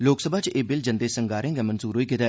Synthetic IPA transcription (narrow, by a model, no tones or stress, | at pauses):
loːksəbʱaːt͡ʃeːbɪld͡ʒə̃nd̪eːsəŋɡaːɾẽːŋɡɛːmənzuːɾɦoːiːkɪt̪ɛː